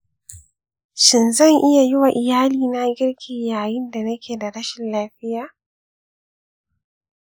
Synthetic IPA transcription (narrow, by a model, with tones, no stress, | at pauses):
ʃɪ˨nzɐ˦˨ŋʔɪ˦ja˨jɪ˦wa˨ʔɪ˨jaː˦liː˨na˦ɡʲɪ˦ɽkʲʰiː˨jaː˨jɪ˦nda˨nɐ˦kʲeː˨da˨ɽɐ˦ʃɪ˨nlaː˦ɸɪ˦jaː˨